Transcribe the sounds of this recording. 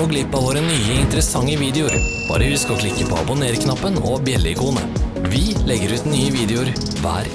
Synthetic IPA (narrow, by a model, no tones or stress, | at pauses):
ɔɡlɪpːɑʋoːɾənyːəɪnt̪əɾəsɑŋːəʋiːd̪ɛʊɾb̥ɑ̰ːɾəʋɪskɔklɪkːəpʰɔ̰ːɑ̰bʊneːɾkʰnɑpːənɔ̰bjɛlːəɪkuːnə̰ʋɪlɛɡːəɾʉːt̪nyːəʋiːd̪ɛʊɾ | ʋæ̰ːɾ